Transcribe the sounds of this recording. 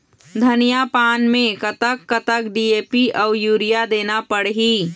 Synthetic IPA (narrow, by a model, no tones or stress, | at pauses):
d̪ʱənijapaːnmẽkət̪əkːət̪əkɖieːpiʔɔʊjuːɾijad̪eːnapəɽɦiː